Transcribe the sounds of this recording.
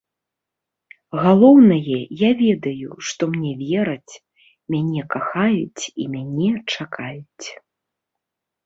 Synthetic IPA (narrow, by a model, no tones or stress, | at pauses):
ɣalˠɔwnɐjɛjavʲɛd̪ɐjṵʂt̪ɔmnʲɛvʲɛɾɐt͡sʲ | mʲanʲɛkaxajut͡sʲimʲanʲɛt͡ʂakʰajut͡sʲ